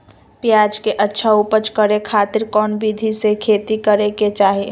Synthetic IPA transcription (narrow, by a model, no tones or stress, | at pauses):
pjaːd͡ʒkeʔətːʃʰaupət͡ʃkəɾekʰaːt̪ɪɾkɔːnbid̪ʱisekʰeːt̪ikəɾeket͡ʃaːɦeː